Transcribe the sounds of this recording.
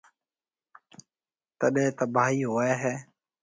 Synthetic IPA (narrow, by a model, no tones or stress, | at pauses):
t̪əɗẽːt̪əbaːɦiːɦoːeːɦɛː